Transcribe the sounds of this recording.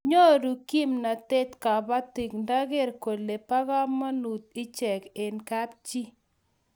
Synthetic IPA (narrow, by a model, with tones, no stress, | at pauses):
ɲo˦ɾu˨ki˦mna˨te˦t̪ka˨ba˦t̪i˨knda˦ɣɪ˦˨ɾko˨le˨pa˦ɣa˦mːa˦nu˨t̪̚ɪ˦t͡ʃɛ˨ke˨nka˦p̚t͡ʃi˦